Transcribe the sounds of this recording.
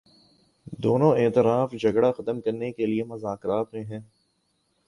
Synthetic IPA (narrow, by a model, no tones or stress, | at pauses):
d̪oːnõeːt̪ɪɾaːfd͡ʒɐɡɽaxɐt̪əmkɐɾnekeliemɐzaːkɾaːt̪mẽɦɛ̃ː